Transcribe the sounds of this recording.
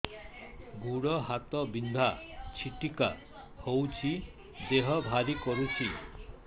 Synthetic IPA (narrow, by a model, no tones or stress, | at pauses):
ɡʱuɽɔɦat̪ɔbind̪ʱat͡ʃʰiʈika̰ | howt͡ʃʰi | d̪eɦɔbʱaɾikoɾut͡ʃʰi